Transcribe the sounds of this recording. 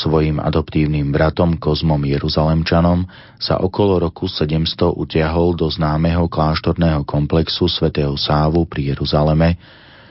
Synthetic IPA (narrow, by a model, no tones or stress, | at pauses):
sʋɔjima̰d̪ɔpt̪iːʊniːmbɾat̪ɔmkɔzmɔmjɛɾuzalɛmt͡ʃanɔm | sa̰ʔɔkɔlɔɾɔkusɛɟɛmst̪ɔʔut̪ɪaɦɔld̪ɔznaːmɛɦɔklaːʃt̪ɔɾnɛːɦɔkʰɔmplɛksusʋɛt̪ɛːɦɔsaːʋupɾijɛɾuzalɛmɛ